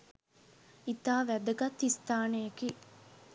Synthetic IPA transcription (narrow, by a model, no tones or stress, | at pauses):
it̪aːʋæd̪əɡɐt̪ːist̪aːnejekiː